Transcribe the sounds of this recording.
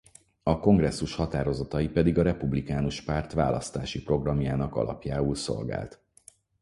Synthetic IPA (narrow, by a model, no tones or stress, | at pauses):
ɒko̞ŋɡrɛsːuʃhɒt̪aːɾo̞zɒt̪ɒjipɛd̪iɡɒɾɛpublikaːnuʃpaːrt̪ʋa̰ːlʔɒst̪aːʃipro̞ɡrɒmjaːnɒkɒ̰lɒ̰pjaːulso̞̰lɡa̰ːlt̪